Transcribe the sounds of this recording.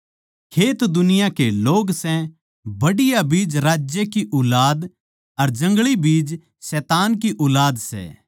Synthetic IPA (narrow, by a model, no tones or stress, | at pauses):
kʰeːt̪d̪ʊnɪjakeloːɡsɛ̃ | bɐɽɪjabiːd͡ʒɾaːd͡ʒjekiʔʊːlaːd̪ | ɐɾd͡ʒɐ̃ŋɡɭibiːd͡ʒ | sɛːt̪aːnkiʔʊːlaːd̪sɛ̰ː